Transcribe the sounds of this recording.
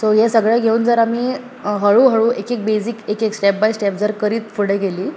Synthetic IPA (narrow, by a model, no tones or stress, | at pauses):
soɦesəɡɭaɡʱeuːnd͡zəɾamiː | ɦəɭuɦəɭuːʔekek̚besikekeksʈɛp̚bajsʈɛp̚d͡zəɾkəɾiːt̪fəɽeɡeliː